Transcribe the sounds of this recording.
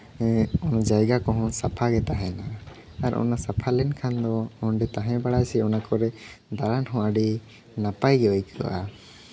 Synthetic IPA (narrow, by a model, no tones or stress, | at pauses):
ɔnɔd͡ʒajɡakɔɦɔ̃sapʰaɡɛt̪aɦɛna | aɾʔɔ̰nasapʰalɛnkʰand̪ɔɔnɖɛt̪aɦɛ̃baɽajsɛɔnakɔɾɛ | d̪aɾanɦɔ̃aɖi | napajɡɛajkʰa̰ʔa̰